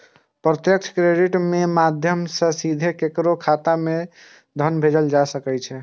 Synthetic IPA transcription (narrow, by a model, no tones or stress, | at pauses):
pɾət̪jək̚t͡ʃʰkɾeɖiʈmemad̪ʱjəmsə̃sid̪ʱekekɾokʰat̪ame | d̪ʱənbʱed͡ʒəld͡ʒasəkɛt͡ʃʰɛ